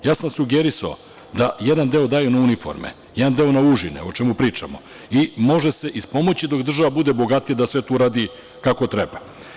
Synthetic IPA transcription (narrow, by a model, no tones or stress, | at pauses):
jaːsamsuɡeɾisao̰ | d̪ajed̪and̪e̞o̞d̪aːjunaunifo̞̰ɾmḛ | jed̪and̪e̞o̞nauʒinḛo̞t͡ʃemupɾiːt͡ʂa̰mo̞̰ | imo̞ʒese̞ʔispo̞mo̞t͡ɕid̪o̞kd̪r̩ʒaʋabud̪e̞bo̞ɡat̪ijad̪asʋet̪uɾaːd̪i | kako̞t̪ɾeba